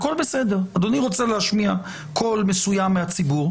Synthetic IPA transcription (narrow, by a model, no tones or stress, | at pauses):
ako̞lbesedeʁad̪oniʁo̞t͡seleaʃmia | kʰo̞lmesujamːeat͡sibuʁ